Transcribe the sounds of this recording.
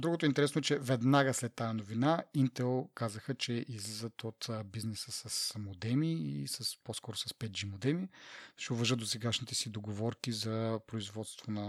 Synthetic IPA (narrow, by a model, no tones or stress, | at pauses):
d̪ɾuɡot̪oɛint̪ɛɾɛsnoɛt͡ʃɛvɛd̪naɡəslɛt̪ːajɐnovinaint̪ɛlˠkazəxət͡ʃɛʔizlizət̪ʰot̪ːbiznɛsəsəsːmod̪ɛmiisəsposkɔɾosɐspɛt̪̚d͡ʒimod̪ɛmiʃɛʊvəʒət̪d̪osɛɡaʃnit̪ɛsid̪oɡovɔɾkizɐpɾoizvɔt̪st̪vonɐ